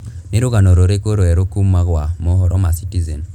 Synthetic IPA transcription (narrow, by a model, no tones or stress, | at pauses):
neɾoɣanoɾoɾekoɾoɛɾokumaɣwamoɦɔɾʔɔmasitizɛn